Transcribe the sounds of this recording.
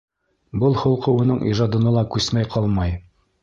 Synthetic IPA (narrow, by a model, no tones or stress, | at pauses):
bɤlˠhŏlˠqɤ̆wɤ̆nɤɴʔḭʒɑd̪ɤ̆nɤlˠɑkʉsmæjqʰɑlˠmɑj